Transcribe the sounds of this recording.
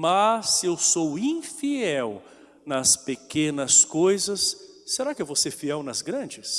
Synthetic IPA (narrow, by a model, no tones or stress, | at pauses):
mɐsɪewsowĩfiɛw | nɐspekẽnɐskojzɐsː | eɾakɪɛvoseɾfiɛwnɐzɡɾɐ̃d͡ʒɪs